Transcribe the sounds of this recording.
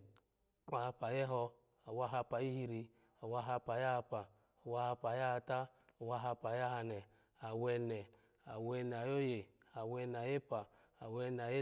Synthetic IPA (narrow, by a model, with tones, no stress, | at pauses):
k͡pa˨a˨˦pa˨jɛ˦ɦɔ˧ | a˨wa˦ɦa˧pa˨i˦hi˦ɾi˦ | a˨wa˦ɦa˧pa˨ja˦a˧pa˨ | wa˦ha˧pa˨ja˦a˨ta˦a˨wa˦ɦa˧pa˨ja˦ɦa˧nɛ˨ | a˨wɛ˧nɛ˨ | a˨wɛ˦n˨a˨jo˦je˨a˨wɛ˦n˨a˨je˦pa˨ | a˨wɛ˦n˨a˨je˦